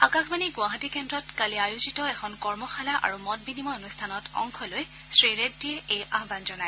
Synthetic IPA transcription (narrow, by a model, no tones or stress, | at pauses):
akaxbaniɡwaɦatikɛndɹɔtkaliajuzitɔɛxʰɔnkɔɹmɔxalaʔa̰ɹumɔt̚binimɔonustʰanɔtɔ̰ŋkʰɔloj | sɹiɹet̚diɛejʔaɦbanzɔnaj